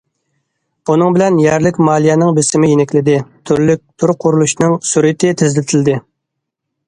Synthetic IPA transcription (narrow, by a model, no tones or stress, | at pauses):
b̥unɨŋbɪlɛnjɛɾlɪkʲmɑːlˠijɛnɨŋbɪsɪmɪjenɪkʲlɪd̪ɪt̪ʰyɾlyk̚ʲt̪ʰuɾqʰːʊɾulˠuʃnɨŋsuɾɨt̪ʰɪt̪ʰɪzlɪt̪ʰɪld̪ɪ